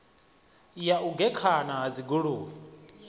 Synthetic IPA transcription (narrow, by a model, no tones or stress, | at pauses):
jaʔuɡɛkʰanaɦad͡ziɡuɺuː